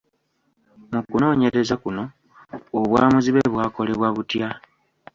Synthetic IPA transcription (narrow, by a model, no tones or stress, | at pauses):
mukuno̞ːɲe̞ɾe̞zakuno̞ː | βwaːmuziβeβwaːko̞le̞βwaβutja